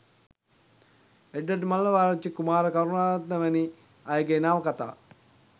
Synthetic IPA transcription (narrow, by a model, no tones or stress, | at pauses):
eɖːəʈmalːəʋaːɾət͡ʃːikumaːɾəkaɾunaːlat̪nəʋəni | ajɡeːnaːʋəkat̪a̰ː